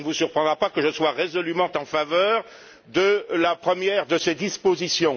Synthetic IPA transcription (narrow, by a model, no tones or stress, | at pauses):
nəvusyʁpχɑ̃d̪ʁapakəʒəswaʁezɔlymɑ̃t̪ɑ̃favœːʁ | d̪əlapχəmjɛʁd̪əsed̪ispozisjɔ̃